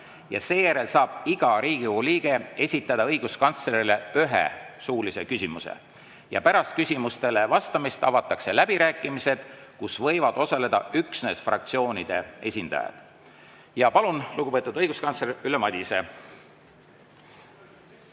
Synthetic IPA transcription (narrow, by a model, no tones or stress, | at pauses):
jɑ̰se̞ːjæɾe̞lsɑːb̥iɡ̥ɑɾiːɡ̥iuliːɡ̥e̞e̞sʲit̪ːˑɑd̪ɑɤjɡ̥uskɑnt̪sle̞ɾile̞yɦḛsuːlise̞kysʲimusḛ | jɑ̰pæɾɑst̪̚kysʲimust̪e̞le̞vɑst̪ɑmist̪ɑvɑt̪ːˑɑkse̞læb̥iɾæːkːˑimise̞d̪̥kusvɤjvɑd̪̥o̞sɑle̞d̪ɑyksne̞sfrɑ̰k̚t̪sio̞ːnʲid̪̥e̞e̞sʲind̪ɑ̰jɑ̰d̪̥ | jɑpɑlunluɡ̥uvɤet̪ud̪ɤjɡ̥uskɑnsleɾylemɑd̪ʲise̞